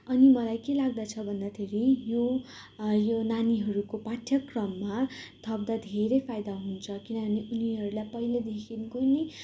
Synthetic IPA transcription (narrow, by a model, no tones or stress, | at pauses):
ʌnimʌlajkelaɡ̚d̪at͡sʰʌbʱʌnd̪at̪ʰeɾijo | jonaniɦʌɾukopaʈʰjʌkrʌmːat̪ʰʌb̚d̪ad̪ʱeɾejpʰajd̪aɦunt͡sʰʌkinʌbʱʌneʔuniɦʌɾulajpʌɦiled̪ekʰinkonʌ